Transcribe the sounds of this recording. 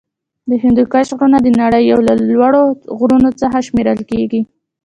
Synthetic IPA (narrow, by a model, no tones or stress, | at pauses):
d̪əɦɪnd̪ukaʃɣɾunad̪ənaɽəjːawlalwaɽoɣɾunot͡səxaʃmeɾəlkeɡi